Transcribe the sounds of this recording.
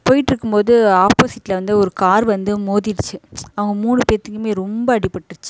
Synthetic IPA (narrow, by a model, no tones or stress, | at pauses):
poːjɪʈːɪɾɯkːɯmpoːðɯaːpoːsɪʈːlɐʋɐnd̪ɯɔɾɯkaːɾʋɐnd̪ɯmoːðɪɾɯt͡ʃːɯɐʋɐŋɡɐmuːɳɯpeːt̪ːɯŋkːɯmeːɾɔmbɐɐɽɪpːɐʈːɪɾɯt͡ʃːɯ